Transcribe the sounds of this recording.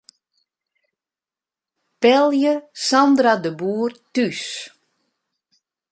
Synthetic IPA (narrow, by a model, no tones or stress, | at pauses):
pɛlˠjəsandradəbuːrtys